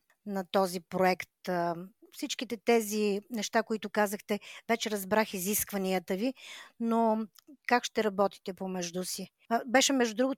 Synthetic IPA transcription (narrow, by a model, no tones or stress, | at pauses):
nɐt̪ɔzipɾoɛkt̪ | fsit͡ʃk̟it̪ɛt̪ɛzinɛʃt̪akoit̪ʊkazəxt̪ɛvɛt͡ʃɛɾɐzbɾaxiziskvəniət̪əvinokakʃt̪ɛɾɐbɔt̪i̥t̪ɛpomɛʒd̪usi | bɛʃɛmɛʒd̪ud̪ɾuɡʊ